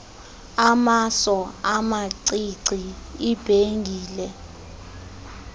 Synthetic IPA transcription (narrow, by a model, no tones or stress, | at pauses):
amasɔamaǀiǀiib̥ʱeŋɡʱiːlɛ